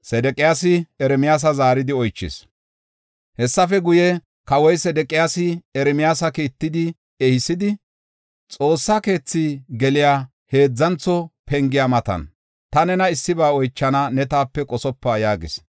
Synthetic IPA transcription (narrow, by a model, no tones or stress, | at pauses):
sɛd̪ɛkʼːɪjaːsɪɛɾɛmɪjaːs̬ɐzaːɾɪd̪ɪɔjt͡ʃːɪ̰s | hɛsːɐfɛɡʊjɛ | kɐwɔjsɛd̪ɛkʼɪjaːsɪɛɾɛmɪjaːsɐkiːt̪ːɪd̪ɪ | ɛhɪsɪd̪ɪ | t͡sʼo̞ːsːake̞ːt͡sːiɡɛlɪjaː | he̞ːd͡zːɐnt͡sːɔpʰɛŋɡɪjamɐt̪ɐ̰n | t̪ɐnɛnɐɪsːɪbaːɔjt͡ʃːɐnɐnɛt̪aːpːɛkʼɔsɔpːaːjaːɡɪs